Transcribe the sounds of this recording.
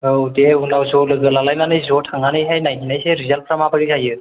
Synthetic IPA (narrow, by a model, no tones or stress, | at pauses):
owdeunawsɔlɯɡɯlalajnanɯjzɔtʰaŋanɯjɦajnajɦinajseɾizalpʰɾamabaɾizajɯ